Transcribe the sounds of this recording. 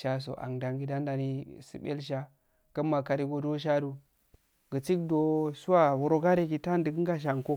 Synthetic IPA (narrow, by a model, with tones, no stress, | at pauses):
ʃa˦s̬o̰˨ʔa̰˨ŋda˨ŋɡi˦da˦n˦da˨ni˦sḭ˨bḛ˦lʃ̬a˦ | kə˦mːa˨ka˨ɾi˦ɡo˨do˦ʃa˦du˨ | ɡə˨t͡si˦kdo˦su˦wa˦wu˨ɾo˦ka˦ɾe˦ki˨ta˦ndə˨ɡə˦ŋɡa˦ʃ̬a˨ŋko˦